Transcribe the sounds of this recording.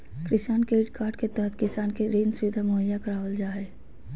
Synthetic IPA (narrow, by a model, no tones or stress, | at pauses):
kɾɪsaːnkeɪʈkʰaːɾʈket̪ɛɦət̪̚ʰkɪsaːnkeɾeːnsʊʋɪd̪ʱamʊɦəjakəɾaːʋəld͡ʒaːeː